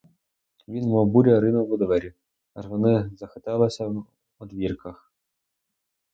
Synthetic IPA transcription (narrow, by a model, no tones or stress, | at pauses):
ʋʲinmɔbuɾʲɐɾɪnʊʊd̪ɔʋɛɾʲi | ɐʒʋɔnɪzɐxɪt̪ɛlˠɐsʲɐw | ɔd̪ʋʲirkɐx